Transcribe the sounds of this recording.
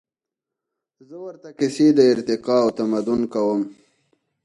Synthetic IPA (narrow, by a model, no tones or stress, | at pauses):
zəwəɾt̪akɪsid̪əɪɾt̪ɪqɑawt̪amad̪ʊnkawəm